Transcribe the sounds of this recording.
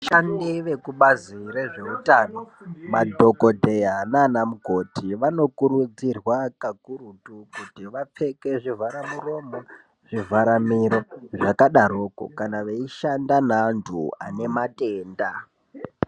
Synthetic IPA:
ʃandiʋe̞kuɓazire̞ʐe̞utaːno̞madʱo̞ko̞dʱe̞jananamuɡʱo̞tʰiʋano̞kurud͡zirwakakuɾutukutiʋap͡fe̞ke̞ʐivaɾamuro̞ma | ʐ̥ivʱaɾamiɾeʐakaɗaɾo̞ːko̰kanaʋeiʃandanaːntʰua̰ne̞matʼe̞ːnda

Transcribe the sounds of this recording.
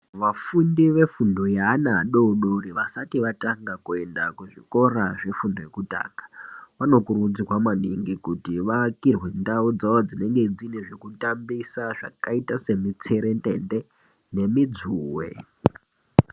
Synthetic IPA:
ʋafundiʋe̞fundo̞jeanaɗouɗoɾiʋasatiʋataŋɡakue̞ndakuʐiko̞ɾaʐefundo̞je̞kuta̰ːŋɡḁʋano̞kurud͡ziwamaniŋɡikutiʋakirwe̞ndaud͡zawod͡zine̞ŋɡe̞d͡zineʐe̞kutambisaʐa̰kaitase̞mit͡se̞ɾe̞ntʼḛnde | ne̞mid͡zuːwḛ

